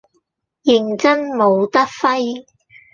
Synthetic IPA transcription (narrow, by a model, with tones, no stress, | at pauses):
jɪ˨˩ŋt͡sɐ˥nmo˨˧wt̪ɐ˥k̚fɐ˥j